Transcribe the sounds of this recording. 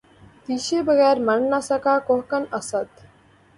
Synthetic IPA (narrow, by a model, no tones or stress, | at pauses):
t̪iːʃeːbəɣɛːɾmɐɳnasɐkaːkoɦkɐnɐsɐt̪